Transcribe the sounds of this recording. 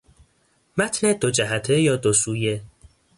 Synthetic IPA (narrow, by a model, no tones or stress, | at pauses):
mæt̪ʰned̪od͡ʒæɦæt̪ʰejɒːd̪osuːje